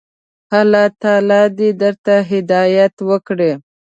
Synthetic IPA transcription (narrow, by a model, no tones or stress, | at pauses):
halɑt̪ɑlɑd̪ed̪əɾt̪aɦɪd̪ɑjat̪wəkɽe